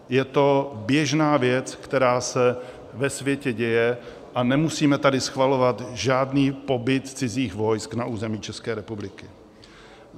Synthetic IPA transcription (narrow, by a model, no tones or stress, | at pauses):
jɛt̪o̞bjɛʒnaːvjɛt͡skt̪ɛɾaːsɛ | vɛsvjɛcɛɟɛjɛ | ʔanɛmusiːmɛt̪adɪsxvalo̞vat̪ʒaːdniːpo̞bɪt̪t͡sɪziːxvo̞jsknaʔuːzɛmiːt͡ʃɛskɛːɾɛpublɪkɪ